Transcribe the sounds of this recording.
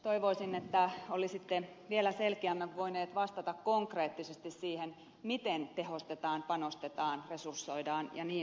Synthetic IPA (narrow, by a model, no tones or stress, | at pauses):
t̪oiʋoisinːet̪ːæolisit̪ːe | ʋielæselkiæmːæʋʋoineːt̪ʋɑst̪ɑt̪ɑkkoŋkreːt̪ːisest̪issiːhen | mit̪ent̪ehost̪et̪ɑːnpɑnost̪et̪ɑːnresursːoidɑːnjɑniː